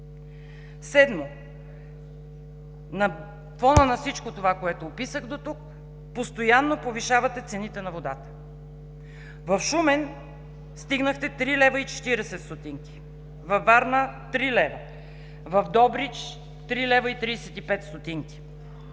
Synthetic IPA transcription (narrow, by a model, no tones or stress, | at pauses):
sɛd̪mo | nɐ | fɔnənɐfsit͡ʃkot̪ovakoɛt̪oːpisəxd̪ot̪uk̚ | post̪ojanːopoviʃavɐt̪ɛt̪sɛnit̪ɛnɐvod̪at̪ə̥ | vɐfʃumɛn | st̪iɡnəxt̪ɛt̪ɾilɛvəit͡ʃɛ̥t̪iɾɛsɛt̪st̪ot̪iŋkʲi̥ | vɐvːaɾnət̪ɾilɛvɐ | vɐfd̪ɔbɾit͡ʃ | t̪ɾilɛvəit̪ɾisɛt̪ipɛt̪st̪ot̪iŋkʲi̥